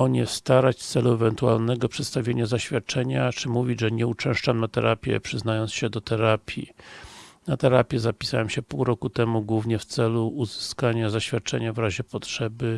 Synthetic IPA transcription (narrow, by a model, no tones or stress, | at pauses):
ɔɲɛst̪aɾat͡ɕt̪sɛluɛvɛnt̪ua̰lnɛɡɔpʂɛt̪st̪avʲjeɲazaɕfʲjat̪̚t͡ʂɛɲat͡ʂɘmuvʲiʐɛɲɛut͡ʂɛ̃w̃ʂt͡ʂamnat̪ɛ̰ɾʔapʲjɛ̰pʂɘznajɔnt̪sɕɛd̪ɔt̪ɛɾapʲʰjḭ | nat̪ɛɾapʲjɛzapʲi̥sawɛmɕɛpuwɾɔkut̪ɛmuɡwuvɲɛft̪sɛluːzɘskaɲazaɕfʲjat̪̚t͡ʂɛɲavɾaʑɛpɔtʂɛbɘ